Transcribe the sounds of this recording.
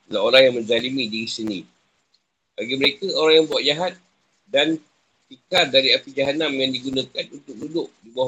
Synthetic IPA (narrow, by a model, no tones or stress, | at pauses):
laoɾahjaŋmə̃d͡ʒalimidiisinĩ | b̥aɡiməɾekaoɾaŋjaŋmbuwaʔd͡ʒaɦat̪̚ | dan | pikardaɾiapid͡ʒaɦanamjaŋdiɡunakanunt̪ʊk̚dudʊʔdibua